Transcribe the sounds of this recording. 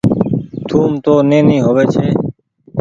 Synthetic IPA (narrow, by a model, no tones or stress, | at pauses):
t̪ʰuːmt̪oːneːnĩːɦoːʋeːt͡ʃʰeː